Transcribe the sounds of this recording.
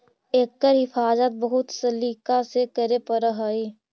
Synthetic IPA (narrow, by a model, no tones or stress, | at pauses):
eːkːəɾɦɪfaːzət̪̚bəɦʊt̪səliːkasekəɾepəɾəɦaiː